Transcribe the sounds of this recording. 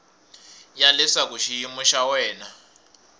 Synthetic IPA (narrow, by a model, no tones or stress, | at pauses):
jalɛsak̬uʃijimuʃawɛːna